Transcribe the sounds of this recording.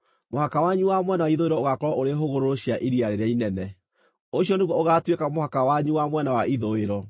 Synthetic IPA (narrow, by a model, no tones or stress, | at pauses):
mohakawaɲuwamwɛnawaiðoeɾɔoɣakɔɾɔʔoɾeɦoɣoɾoɾoɕiaʔiɾiaɾeɾeainɛnɛ | oɕiɔneɣwɔoɣatwekamohakawaɲuwamwɛnawaiðoeɾɔ